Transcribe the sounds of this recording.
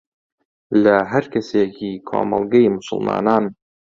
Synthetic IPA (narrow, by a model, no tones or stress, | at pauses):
lɐɦɐɾkɐseːkʰiːkʰo̰ːmɐ̰lˠɡɐjmʊsʊ̰lˠmɑ̰ːnaːn